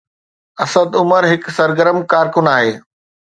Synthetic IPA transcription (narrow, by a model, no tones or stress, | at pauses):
ɐsəd̪ʊməɾɦɪksɐɾɡəɾəmkaːɾkʊnaːɦeː